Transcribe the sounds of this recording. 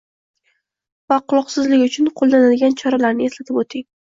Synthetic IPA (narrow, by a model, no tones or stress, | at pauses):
vaqʰʊlˠɒqsɪzlɪkʲʊt͡ʃʰʊnqʰolˠd̪anɪd̪ɡʲant͡ʃʰɒɾalaɾnɪeslat̪ʰɪbot̪ʰɪŋ